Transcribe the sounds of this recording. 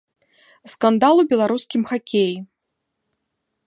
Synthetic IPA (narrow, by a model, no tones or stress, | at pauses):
skand̪alˠubʲɛlˠaɾuskʲimxakʲeji